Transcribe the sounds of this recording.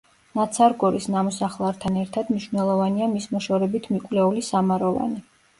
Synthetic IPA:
nat̪sʰaɾɡɔɾisnamɔsaχlˠaɾt̪ʰanɛɾt̪ʰad̪mniʃvnɛlˠɔvaniamismɔʃɔɾɛbit̪ʰmikʼwlɛulisamaɾɔva̰ni

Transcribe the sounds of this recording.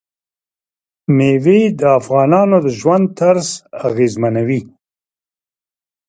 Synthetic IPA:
mewed̪əafɣɑːnɑːnod̪əʒwand̪̚t̪aɾsaɣeːzmanawi

